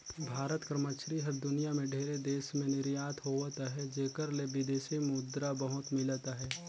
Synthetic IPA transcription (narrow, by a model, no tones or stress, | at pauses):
bʱaːɾət̪kɾəmət͡ʃɾiɦɐɾd̪ʊnijamẽɖʱeːɾed̪eːʃmẽnɪɾjaːt̪ʰɦoʋt̪aɦɛd͡ʒeːkəɾlebɪd̪eːʃimʊd̪ɾabɐɦʊt̪mɪlt̪aɦɛː